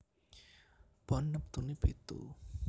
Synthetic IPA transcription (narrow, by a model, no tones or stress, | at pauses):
b̥ɔnːəp̚t̪unibet̪ṵ